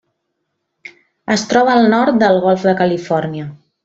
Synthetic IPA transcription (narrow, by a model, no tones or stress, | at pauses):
əst̪ɾɔβəːlˠnɔɾt̪̚d̪əlˠɣɔlˠfd̪əkəlifɔɾniə